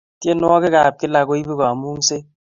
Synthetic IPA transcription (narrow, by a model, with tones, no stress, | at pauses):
tje˦nwɔ˦ke˦kaː˨p̚kɪ˦la˦ko˦i˦bi˦ka˨mu˦ŋ˦se˦